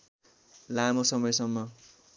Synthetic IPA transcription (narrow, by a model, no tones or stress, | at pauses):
lamosʌmʌjsʌmːʌ